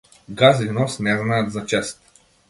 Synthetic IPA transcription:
ɡazvinɔsnɛznaət̪zɐt͡ʃɛst̪̚

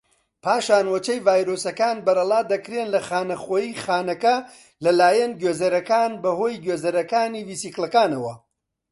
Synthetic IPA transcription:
pʰaːʃaːnwɐt͡ʃɐjvaːjɾoːsɐkaːnbɐɾɐlˠaːd̪ɐkɾeːnlɐxaːnɐχoːjiːxaːnɐkɐ | lɐlaːjɐnɡɥeːzɐɾɐkaːnbɐhoːjɡɥeːzɐɾɐkaːniːvisiːklɐkaːnɐwɐ

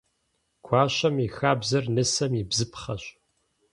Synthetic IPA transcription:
kʷʰɑːɕɐmixaːbzɐrnɨsɐmibzɨpχɐɕʼ

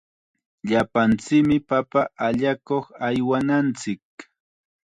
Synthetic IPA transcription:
ʎapant͡sɪkmɪpapaʔaʎakoχajwanant͡sɪk̚

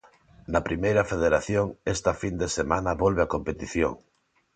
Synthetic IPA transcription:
nɐpɾimejɾɐfeð̞eɾaθjoŋest̪ɐfind̪esemãnɐβolβeakompet̪iθjo̰ŋ

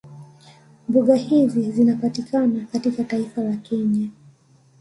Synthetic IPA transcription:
mbuɠahizizinapatikanakatikataifalakɛɲa

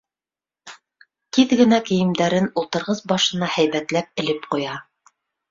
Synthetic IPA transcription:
t̪iðɡɘ̆nækɘ̆jɘ̆md̪æɾɘnulˠt̪ɤ̆ɾʁɤsbɑʃɤ̆nɑhæjβæt̪læp̚ɘ̆lɘpqujɑ

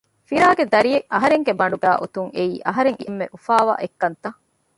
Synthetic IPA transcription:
fiɾaːɡed̪ɐɾijeʔɐɦɐɾeŋɡebɐɳɖuɡæːʔut̪uŋeiːʔɐɦɐɾeŋiʔemːḛʔufaːʋa̰ːʔekːɐnt̪ɐ

